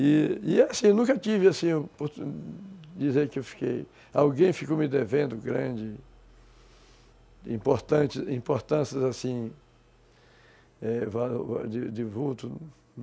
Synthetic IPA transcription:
ɪɪasĩnũkɐt͡ʃ̪ivɪasĩpoɾ | d͡ʒ̪izeɾkɪewfi̥kḛj | awɡẽj̃fikomɪd̪evẽnd̪ʊɡɾɐ̃d͡ʒɪ | ĩpoɾt̪ɐ̃t͡ʃɪzĩpoɾt̪ɐ̃sɐzasĩ | ɛva̰d͡ʒɪd̪ɪvut̪ʊ

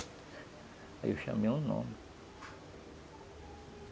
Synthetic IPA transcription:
aiwʃɐ̰̃meũnõ̰mɪ

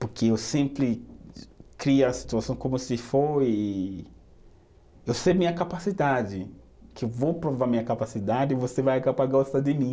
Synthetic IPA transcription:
poɾkʰeewsẽmpɾɪ | kɾiɐɐsi̥t̪uasɐ̃w̃kõmʊsɪfoi | ewsemĩɲɐkapasid̪ad͡ʒɪ | kɪewvowpɾovamĩɲɐkapasid̪ad͡ʒɪvosevajaɡapaɡɔst̪ɐd̪ɪmĩ

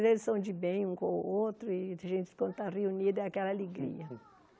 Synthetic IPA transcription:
zelsõd͡ʒibẽj̃ũkõ̰ot̪ɾʊiaʒẽnt͡ʃ̪ɪ̥kõnt̪ariuniɾd̪eakɛlɐaleɡɾḭɐ

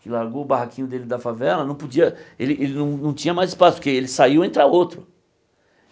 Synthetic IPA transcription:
kɪlaɾɡoʊbahakĩɲʊd̪elɪd̪ɐfavɛlɐnɐ̃w̃pod͡ʒiɐelɪʔelɪnɐ̃w̃nɐ̃w̃t͡ʃĩɲɐmajzɪ̥spasʊpʊɾkeelɪsaiwẽnt̪ɾaot̪ɾʊ

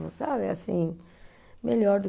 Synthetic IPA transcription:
vʊ̰sabɪasḭ̃ | meʎɔɾd̪ʊ

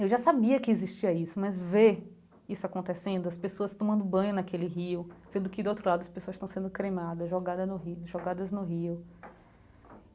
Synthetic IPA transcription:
ewʒasabiɐkɪeziʃt͡ʃiɐisʊmɐzve | isʊakõnt̪esẽnd̪ʊɐspesoɐst̪õmɐ̃nd̪ʊbɐ̃jɲʊnɐkelɪɦiwsẽnd̪ʊkɪd̪ʊowt̪ɾʊlad̪ʊɐspesoɐsʃt̪ɐ̃w̃sẽnd̪ʊkɾejmad̪ɐzʒɔɡad̪ɐnʊɦiʒɔɡad̪ɐznʊɦiʊ

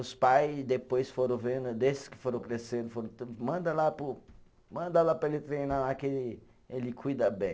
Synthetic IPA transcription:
ʊspajsd̪epojsfoɾɐ̃w̃vẽd̪ʊd̪esɪ̥skɪ̥foɾɐ̃w̃kɾesẽnd̪ʊfoɾɐ̃t̪mɐ̃nd̪ɐlapʊ | mɐ̃nd̪ɐlapɾɐelɪt̪ɾejnalakɪelɪ | elɪkʰujd̪ɐbẽj̃

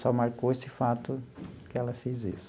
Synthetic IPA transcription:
sɔmaɾkoesɪfat̪ʊkɪɛlɐfezis

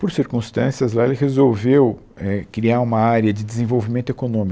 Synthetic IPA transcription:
poɾsiɾkũst̪ɐ̃siɐzlaelɪɦezowvew | ɛkɾiaũmɐaɾjɐd͡ʒɪd͡ʒɪzẽvowvimẽnt̪ʊekonõmi

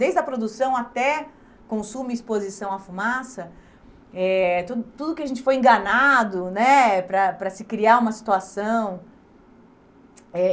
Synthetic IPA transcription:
d̪ejzd̪ɐpɾod̪usɐ̃w̃at̪ɛ | kõsũmɪispozisɐ̃w̃ɐfumasɐ | ɛt̪ud̪ʊt̪ud̪ʊkɪaɐʒẽnt͡ʃɪ̥fojẽɡɐnad̪ʊnɛpɾɐpɾɐsɪkɾiaũmɐsi̥t̪uasɐ̃w̃ | ɛ

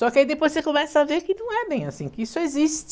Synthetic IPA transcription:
sɔkɪaid̪epojsekomɛsɐaveɾkɪnɐ̃w̃ɛbẽj̃asĩkɪisʊezist͡ʃ

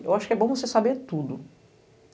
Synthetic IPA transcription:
ewaʃʊ̥kɪɛbõw̃vosesabeɾt̪ud̪ʊ

